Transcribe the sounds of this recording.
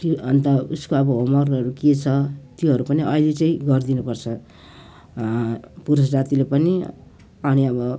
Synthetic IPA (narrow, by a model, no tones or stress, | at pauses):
t̪oʌnt̪ʌuskoʌbʌɦomʌrʌɾuket͡sʰʌt̪joɦʌɾupʌniʔʌjlet͡sʌĩɡʌrd̪inupʌrt͡sʰʌ | puɾʌs̬d͡zat̪ilepʌni | ʌniʌbʌ